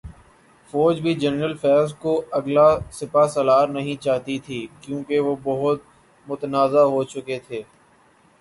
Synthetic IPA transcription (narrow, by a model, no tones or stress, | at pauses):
fɔːd͡ʒbʱid͡ʒɛnɾəlfɛːzkoɐɡlasɪpasɐlaːɾnɐɦĩt͡ʃaːɦt̪it̪ʰiːkjõːkeʋobɐɦʊt̪̚ | mʊt̪ənaːzaɦot͡ʃʊket̪ʰeː